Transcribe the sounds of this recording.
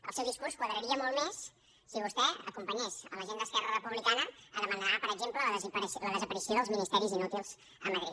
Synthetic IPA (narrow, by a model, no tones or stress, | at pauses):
ə̰lˠsɛwðiskuɾrskwəðɾəɾiəmɔlˠmesː | iβust̪ɛə̰kumpəɲesələʒend̪əskɛrərəpuβlikanəəðəmənapəɾəɡʒempləlzɾsləðəzəpəɾisioðəlˠzminist̪ɛɾizinut̪ilˠz̥ | əməðɾḭ